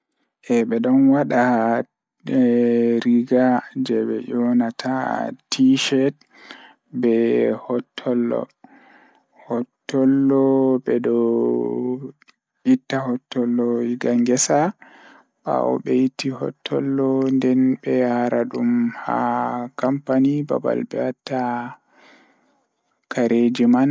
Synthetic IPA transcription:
ʔɛɓɛɗɔnwaɗa | ɾiɡad͡ʒɛɓɛ̰jɔnatʰa̰tʰiʃɛt̚ | bɛhɔtʰːɔlːɔ̰ | hɔtːɔlːɔbɛdɔ | itːahɔtːɔlːɔiɡaŋɡɛsa | ɓa̰ɔ̰ɓɛjitːihɔ̰tʰːɔlːɔndɛnbɛjaɾaɗumha̰kampaniba̰ba̰lbɛatːa | kʰaɾʔed͡ʒiman

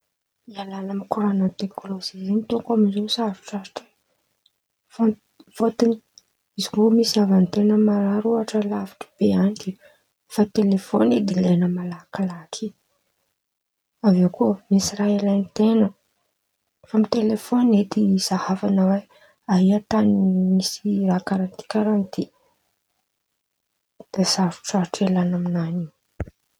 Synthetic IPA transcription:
ialanamikuɾanat̪eklozizinit̪oŋkamizosaɾi̥ʈ͡ʂaɾi̥ʈ͡ʂa | vo | v̥ot̪ini̥ | izikumisavant̪enəmaɾaɾuaʈ͡ʂəlavi̥ʈ͡ʂə̥b̥eanit̪i | fat̪elefoned̪ilenəmalakalakʰi | avewkuəmisiɾailajnt̪enə | famit̪elefoned̪iz̥ahavanawe | aiat̪animisirakaɾant̪i̥kaɾant̪i | d̪̥asaɾu̥ʈ͡ʂaɾʈ͡ʂelanaminani

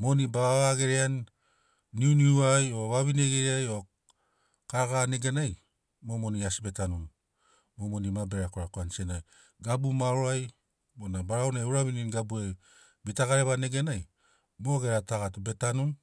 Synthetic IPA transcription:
mo̞nibaaβaɡe̞ɾeanː | iuniuajo̞βaβine̞ɡeɾeajo̞ | kaɾaɡane̞ɡe̞naj | mo̞mo̞niasibe̞tanun | momo̞nimabe̞ɾakoɾakoansienaj | ɡabumaɾoaj | monabaɾawnajuɾaβininɡabue | bitaɡaɾeβane̞ɡe̞naj | mo̞ɡe̞ɾataɡatube̞tanun

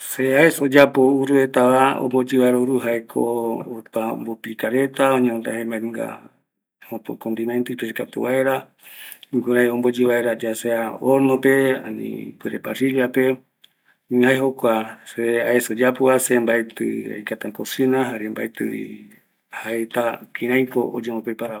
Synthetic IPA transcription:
seaesod͡ʒapouɾuet̪aβao̰mbod͡ʒiβaeɾauɾuɦaekʰo̰ːp̪ambopikaɾet̪aoɲeont̪ahembaŋɡa̰ | opokond̪inãnt̪ɨpesikat̪ṵβaeɾa | ŋɡuɾajombod͡ʒiβaeɾad͡ʒaseaoɾnopea̰nḭpɨɾepasiliape̞ | ihaeɦokʷaseaesod͡ʒapuasembaet̪ɨ̰a̰jkat̪akosinaɦaɾembaet̪ɨḭ | haet̪akĩɾãjkoʔo̰d͡ʒemopepaɾa

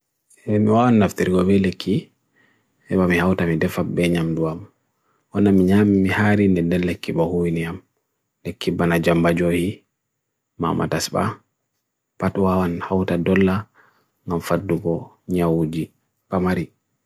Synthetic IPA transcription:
ɛmiwawanːaftiɾiɡɔbɛlekʰːi | ʔɛɓamihawtamidɛfabɛɲamduwam | wɔnːamiɲamimihaɾindɛndɛllːekːibɔhuwiniam | lekːibanad͡ʒambad͡ʒohi | ma̰ma̰tasba̰ | patwawanhawtadɔlːa | ŋɡamfadːuɡɔ | ɲawd͡ʒi | pamaɾi

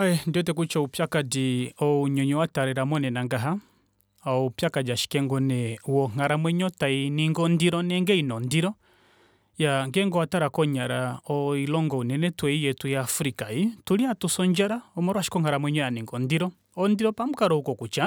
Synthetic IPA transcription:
aɛndiɔtɛkut͡ʃɔupjakadiɔuɲɔɲɔwataɾɛɾamɔnɛnaŋɡaɦa | aɔupjakad͡ʒaʃi̥kɛŋɡɔnɛuwɔŋ̥aɾamwɛɲɔtainiŋɡɔndiɾɔnɛŋɡɛinɔndiɾɔ | jaŋɡɛŋɡɔwataɾakɔɲaɾaɔilɔŋɡɔunɛnɛtwɛijɛtujaːfuɾikaituliatusɔɲd͡ʒaɾaɔmɔɾɔwaʃi̥kɔŋaɾamwɛɲɔjaniŋɡɔndiɾɔ | ɔndiɾɔpamukaɾɔukɔkut͡ʃa

